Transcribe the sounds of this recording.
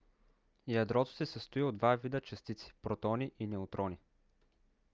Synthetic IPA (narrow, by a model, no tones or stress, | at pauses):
jɐd̪ɾɔt̪o̥sɛsɐst̪oiod̪vavid̪ət͡ʃɐst̪it̪si̥pɾot̪ɔniʔinɛot̪ɾɔni